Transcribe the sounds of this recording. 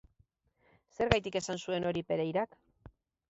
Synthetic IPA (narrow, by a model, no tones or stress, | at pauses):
se̞ɾɣajt̪ike̞sansue̞no̞ɾipe̞ɾejɾak